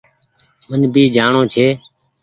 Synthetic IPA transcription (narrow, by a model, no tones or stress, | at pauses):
mənbʱiːd͡ʒaːɳõːt͡ʃʰeː